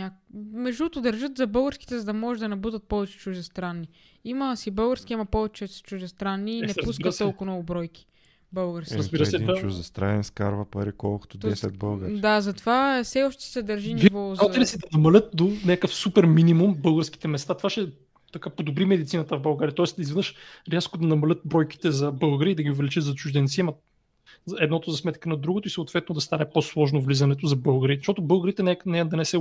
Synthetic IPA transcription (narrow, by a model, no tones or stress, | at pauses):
ɲakmɛʒd̪ut̪od̪ɐɾʒɤt̪zɐbɤlˠɡəɾski̥t̪ɛzɐd̪ɐmɔʒɛd̪ɐnɐbud̪ət̪̚pɔvɛt͡ʃɛ̥t͡ʃuʒd̪ɛst̪ɾanːi | imɐsibɤlˠɡəɾsk̟iimɐpɔvɛt͡ʃɛt͡ʃuʒɛst̪ɾanːiːnɛpuskət̪t̪ːɔlˠkʊmnɔɡʊbɾɔjk̟i̥ | bɤlˠɡəɾskiɾəbiɾəsd̪ɛit͡ʃuzɐst̪ɾaɛnskaɾvɐpɐɾikɔlˠko̥t̪od̪ɛsɛ̰d̪̚bəlˠɡəɾd̪azɐt̪ovafsɛɔʃt̪ɛ̥sɛd̪ɐɾʒinivɔaɛlisɛd̪ɐnɐmɐlʲɤt̪̚d̪onʲakəfsupɛɾminimumbɤlˠɡəɾski̥t̪ɛmɛst̪at̪ovaʃɛ | t̪ɐkapod̪obɾimɛd̪it̪sinət̪əvbɐlˠɡaɾʲiət̪ɔɛst̪d̪izvɛd̪nɤʃɾʲɛskod̪ɐnɐmɐlʲət̪̚bɾɔjk̟i̥t̪ɛzɐbɤlˠɡəɾiəid̪ɐɡʲiʊvɛlit͡ʃət̪zɐt͡ʃʊʒd̪ɛnt̪siɛmɐ | zɛd̪nɔt̪ozɐsmɛt̪kənɐd̪ɾuɡot̪oisəːt̪vɛt̪̚nod̪ɐst̪anɛposlˠɔʒnovlizɐnɛt̪̬ʊzɐbɤlˠɡəɾit̪ɛzʃt̪oɔt̪̬ʊbɤlˠɡəɾit̪ɛnɛnɛd̪ɐnɛsɛ